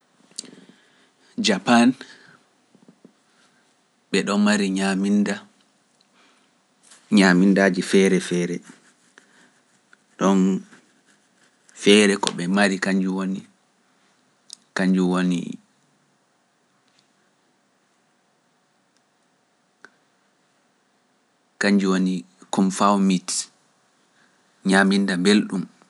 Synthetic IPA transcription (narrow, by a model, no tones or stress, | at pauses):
d͡ʒapan | ɓɛɗɔnmaɾiɲaminda | ɲamindaːd͡ʒifɛːɾɛfɛːɾɛ | ɗɔn | fɛːɾɛkɔ̰ɓɛmaɾikaɲd͡ʒuwoni | kaɲd͡ʒuwonḭ | kaɲd͡ʒuwoni | kɔmfawmit | ɲaːmindabelɗum